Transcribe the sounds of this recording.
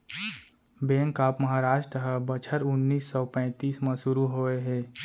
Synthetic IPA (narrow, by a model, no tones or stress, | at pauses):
bẽːŋkaːpməɦaːɾaːʃʈɾəɦəbət͡ʃʰəɾʊnːiːsːɔːpɛ̃ːt̪iːsmãsʊɾuɦoːeɦɛː